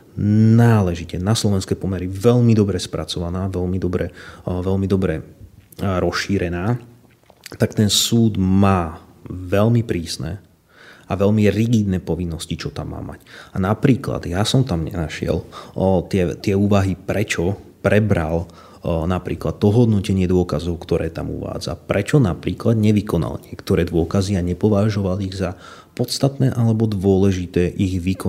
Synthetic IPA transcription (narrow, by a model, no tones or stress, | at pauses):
naːlɛʒicɛnaslɔʋɛnskɛːpɔmɛɾiʋɛʎmid̪ɔbɾɛspɾʔat͡sɔʋanaːʋɛlmid̪ɔbɾɛʋɛlmid̪ɔbɾɛ | ɾɔsʃiːɾɛnaː | t̪akt̪ɛnsuːd̪maː | ʋɛlmipɾiːsnɛ̰ | aʋɛlmiɾiɡid̪nɛːpɔʋinːɔscit͡ʃɔt̪amːa̰ːma̰canapɾiːkla̰d̪jasɔmt̪amɲɛ̰naʃɪɛ̰lt̪ɪɛt̪ɪɛuːʋaɦipɾɛt͡ʃɔpɾɛbɾal | napɾiːklat̪t̪ːɔɦɔd̪nɔcɛɲɪɛd̪ʊɔkazɔʊkt̪ɔɾɛːt̪a̰mṵʋa̰ːd͡za̰pɾɛt͡ʃɔnapɾiːklad̪ɲɛʋikɔna̰lɲɪɛkt̪ɔɾɛːd̪ʋʊɔkaziaɲɛpɔʋaʒɔʋaliɣza | pɔt̪st̪at̪nɛːʔalɛbɔd̪ʋʊɔlɛʒit̪ɛːʔiɣʋikɔ